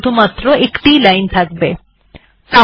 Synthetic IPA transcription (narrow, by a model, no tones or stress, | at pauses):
d̪ʱumat̪ɾoekʈilajnt̪ʰak̚be | t̪a